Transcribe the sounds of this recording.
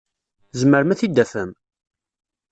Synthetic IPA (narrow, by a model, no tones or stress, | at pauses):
zməɾmæθid̪ːæfəm